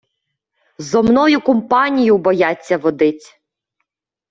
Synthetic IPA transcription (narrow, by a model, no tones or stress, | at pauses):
zɔmnɔjʊkɔmpɑnʲijʊbɔjɑt͡sʲːɐʋɔd̪ɪtʲ